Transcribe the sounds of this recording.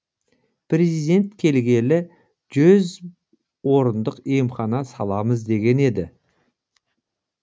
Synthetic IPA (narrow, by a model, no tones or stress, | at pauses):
pʰrezijd̪e̞nt̪kʲʰe̞lɡʲe̞lɪ | ʒɵz | wo̞ɾənd̪əqemχɑnɑsɑlˠɑməzd̪e̞ɡʲe̞ne̞d̪ɪ